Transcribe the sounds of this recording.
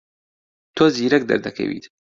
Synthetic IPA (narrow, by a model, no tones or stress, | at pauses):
t̪ʰoːziːɾɐk̚d̪ɐ̰ɾd̪ɐkʰɐ̰wḭt̪